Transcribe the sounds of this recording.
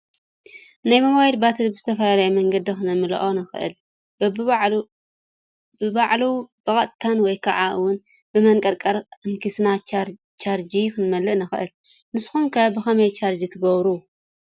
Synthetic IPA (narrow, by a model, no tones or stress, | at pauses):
najmɐmajilbat̪ʰɐlbɨzɨt̪ʰɐfɐlalɐjumɐŋɡɐd̪ixɨnɐmɨlɐ̰ʔonɨxɨ̰ʔɨ̰l | bɨbaʕlub̥ɐkʼɐt̪ʼt̪ʰanwɔjkʰaʕaʔɨwʊn | bɨmɐŋkʼɐɾkʼɐɾɨnkʰisna | t͡ʃʰaɾd͡ʒikʰɨnmɐlːɨʔnɨxɨʔɨl | nɨsxumkʰɐbɨxɐmɐjt͡ʃʰaɾd͡ʒit̪ʰɨɡɐβɾu